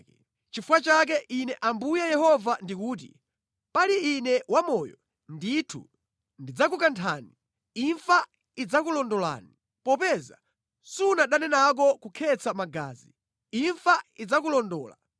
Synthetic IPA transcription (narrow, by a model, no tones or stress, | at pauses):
t͡ʃifuwat͡ʃak̬ɛʔinɛʔambujɛjɛhɔvandikuːt̬ḭ | paliːnɛwamɔjɔ | nditʰṵ | ndid͡zakukantʰaːni | iɱfa | id͡zakulɔndɔla̰ːni | pɔpɛza̰ | sunaɗanɛnak̬ɔkukʰɛt͡samaɡa̰ːzi | iɱfaid͡zakulɔndɔːla̰